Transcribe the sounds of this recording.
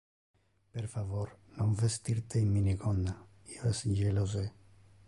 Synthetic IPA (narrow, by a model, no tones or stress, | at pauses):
peɾfavoɾnoɱvest̪iɾt̪eimːinikonda | ioesnʒeloz̬e